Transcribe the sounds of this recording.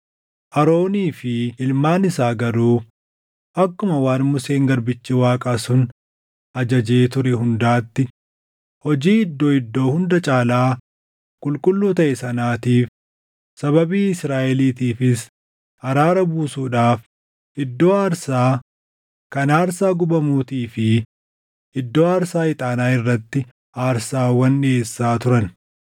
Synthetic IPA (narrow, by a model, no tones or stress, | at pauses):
ʔɐɾo̞ːniːfɪɪlmaːnɪsaːɡɐɾuː | ʔɐkːʊmɐwaːnmʊseːŋɡɐɾbɪt͡ʃːɪwaːkʼasʊn | ʔɐd͡ʒɐd͡ʒeːt̪ʊɾɛɦʊnd̪aːt̪ːɪ | hɔd͡ʒiːɪd̪ːo̞ːɪd̪ːo̞ːhʊnd̪ɐt͡ʃʼaːlaː | kʼʊlkʼʊlːuːt̪ɐʔɛsɐnaːt̪iːf | sɐβɐbiːɪsɾaːʔɛliːt̪iːfɪs | ɐɾaːɾɐbuːsuːᶑaːf | ɪd̪ːo̞ːaːɾsaː | kɐnaːɾsaːɡʊbɐmuːt̪iːfɪ | ʔɪd̪ːo̞ːaːɾsaːɪt̪ʼaːnaːɪrːɐt̪ːɪ | aːɾsaːwɐnːɪeːsːaːt̪ʊɾɐn